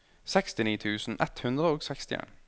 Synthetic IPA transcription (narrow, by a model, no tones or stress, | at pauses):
sɛkst̪ɪniːt̪ʰʉːsn̩ʔɛt̪hʉnd̪ʁəoːɡsɛkst̪ɪɛ̰n